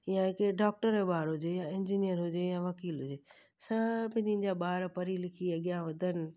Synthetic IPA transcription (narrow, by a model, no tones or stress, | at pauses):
jãɦɪkeɖaːk̚ʈəɾeɓaːɾɦʊd͡ʑejãɪ̃ɲd͡ʑiːnijəɾɦʊd͡ʑejãʋɐkiːlɦʊd͡ʑeː | sãːpɪ̃nĩ̆d͡ʑaɓaːɾpɐɾilɪkʰiɐɠijãʋɐd̪ʱənɪ̆